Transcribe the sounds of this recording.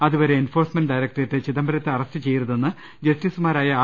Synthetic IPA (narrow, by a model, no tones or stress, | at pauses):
ɐðuʋɐɾe̞ːnfo̞ːrsmɐnɖɖɐjɾɐk̚ʈɐrt̪ːet͡ɕiðɐmbʱɐɾɐt̪ːeɐrɐstɨt͡ɕe̞jːiɾuðenːɨ | d͡ʑɐstiːsumaːɾaːjɐː